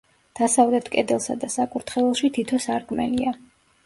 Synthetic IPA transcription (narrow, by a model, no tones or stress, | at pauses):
d̪̥asavlɛt̪ʰkʼɛd̪ɛlˠsa̰d̪asakʼuɾt̪ʰχɛlɛlˠʃit̪ʰit̪ʰɔsaɾkʼmɛ̰lia